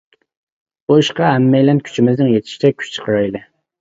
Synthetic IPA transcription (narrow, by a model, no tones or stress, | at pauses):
buiʃqɑɦɛmːɛjlɛnkʲʰy̥t͡ʃʰimɪznɪŋjet̪ʰɪ̥ʃi̥t͡ʃ̪ʰɛkʲʰy̥t͡ʃt͡ʃʰə̥qʰəɾɑjlˠɨ